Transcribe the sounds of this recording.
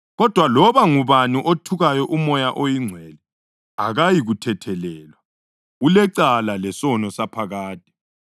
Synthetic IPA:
ɣɔd̥ʱwalɔβaŋuβaniʔotʰuɣajɔʔumɔjaʔojiŋ͡ǀʱwɛlɛ | aɣajiɣutʰɛtʰɛlɛːlwa | ɣulɛǀalalɛsɔnɔsapʰaɣaːtʼi̥

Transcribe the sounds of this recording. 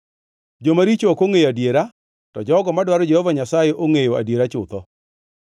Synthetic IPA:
d͡ʒomaɾit͡ʃokoŋejoadjeɾa | tɔd͡ʒɔɡɔmadwaɾɔd͡ʒehovaɲasajeʔoŋejoa̰djeɾat͡ʃʊt̪ɔ

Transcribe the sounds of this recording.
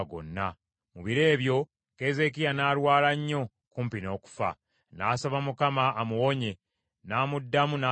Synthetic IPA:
ɡo̰nːa | muβiɾe̞ːβjo̞ | ke̞ze̞k̬ijanaːɾwaːlaɲːo̞ | kuːmpino̞ːku̥fa̰ | naːsoβamukamaːmuwo̞ɲe̞ | naːmudːamuna

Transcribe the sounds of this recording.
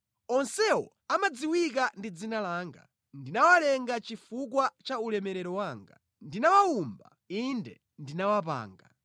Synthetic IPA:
ɔnsɛwɔ̰ | amad͡ziwik̬andid͡zinalaːŋɡa̰ | ndinawalɛŋɡat͡ʃifuk̬wat͡ʃaulɛmɛɾɛɾɔwaːŋɡa̰ | ndinawaumba̰ | indɛ̰ | ndinawap̬a̰ːŋɡa̰

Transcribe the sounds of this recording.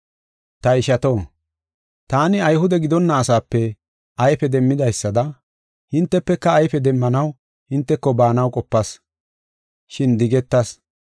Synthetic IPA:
t̪ɐɪʃɐt̪o̞ː | t̪aːnɪɐjhʊd̪ɛɡɪd̪ɔnːɐːsaːpːɛ | ʔɐjfɛd̪ɛmːɪd̪ɐjsːɐd̪ɐ | hɪnt̪ːɛpːɛkːɐːjfɛd̪ɛmːɐnɐw | hɪnt̪ːɛkːɔbaːnɐwkʼɔpːɐs | ʃɪnd̪ɪɡɛt̪ːɐs

